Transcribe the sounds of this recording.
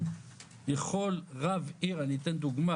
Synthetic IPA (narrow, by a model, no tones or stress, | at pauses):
leχolʁaviʁanit̪end̪uɡma